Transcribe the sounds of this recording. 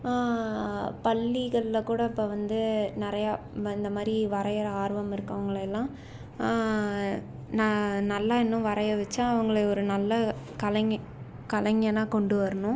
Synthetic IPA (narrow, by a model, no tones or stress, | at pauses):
aː | pɐlːiɣɐɭɪlɐkuːɽɐɪpːoʋɐnd̪ɯnɪɾɐjaː | ɪnd̪ɐmaːd̪ɾiʋɐɾɐjɐɾaːɾʋɐmɪɾɯkːɐʋɐŋɡɐɭɛlːãː | nɐnɐlːaɪnːʊ̃ʋɐɾɐjɐʋɛt͡ʃːãːɐʋɐŋɡɐɭɐɔɾɯnɐlːɐ | kɐlɐŋ | kɐlɐŋɡɐnaːkɔɳɖɯʋɐɾɐnʊ̃